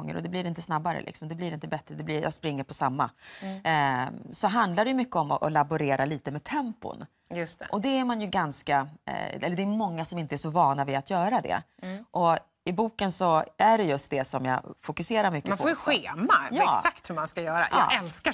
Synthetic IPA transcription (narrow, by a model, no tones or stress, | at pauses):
ŋːə̰ɾɔd̪ɛblɪɾɪnt̪əsnabːaɾə̰lɪ̰ksɔmd̪ɛblɪɾɪnt̪əbɛt̪ɾəd̪ɛblɪja̰spɾɪŋːəɾpʰɔsamːa | sɔɦand̪ladɛjɵmʏkːəɔmɔʔɔlabʊɾeːɾaliːt̪əmɛt̪ʰɛmpʊ̰n | jɵst̪ɛʔɔd̪ɛæɾmanjɵɡanskaɛ̰lːəd̪ɛːmɔŋːasɔmɪnt̪əæʂɔvɑːnavɪat̪ʰjœːɾad̪ɛ̰ʔɔ | ɪbuːkənsɔæɖɛjɵst̪̚d̪ɛsɔmjɑ̰fʊkɵseːɾaɾmʏkːəanfoːɾjɵɧeːmajɑːsakt̪hɵmanskajœːɾa̰ja̰ːʔɛlska